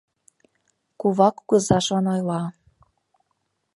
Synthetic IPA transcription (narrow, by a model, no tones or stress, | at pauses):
kuβɑkuɣɤ̆zɑʃonojlɑ